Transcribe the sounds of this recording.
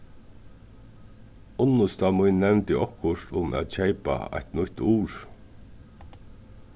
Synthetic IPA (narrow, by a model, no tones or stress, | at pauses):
ʊnːʊst̪amʊjnːɛvnt̪ɪʔɔhkːʊʂt̪ʊmʔæ̰ːt̪t͡ɕʰejpa̰a̰ht̪nʊhʲt̪uːɹ